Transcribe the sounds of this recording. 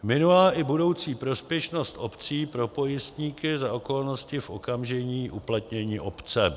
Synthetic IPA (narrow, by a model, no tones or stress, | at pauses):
mɪnulaːʔɪbudo̞wt͡siːpɾo̞spjɛʃno̞st̪ʔopt͡siːpɾo̞po̞jɪst̪ɲiːkɪzaoko̞lnoscɪfʔo̰kamʒɛɲiːʔuplat̪ɲɛɲiːʔopt͡sɛ